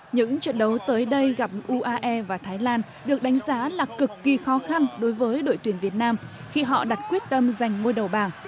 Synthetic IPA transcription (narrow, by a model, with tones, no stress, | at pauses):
ɲɨ̰˧˥ŋt͡ɕə̰˧˨nɗə˨˦wt̪əː˨˦jɗə˧jɣa˨˩p̚ʔu˧ʔaː˧ʔɛ˧vaː˨˩t̪ʰaː˨˦jlaː˧n | ɗɨ˨˩ək̚ɗa˨˦jŋ̟zaː˨˦laː˨˩kɨ˨˩kːi˨˩xɔ˨˦xa˧nɗo˨˦jvəː˨˦jɗo̰˧˨jt̪wi˧˩ənvi˨˩ət̚naː˧m | xi˧ɦɔ̰˧˨ɗa˨˩t̚kwi˦˥ət̚t̪ə˧mza˨˩jŋ̟ŋo˧jɗə˨˩wɓaː˨˩ŋ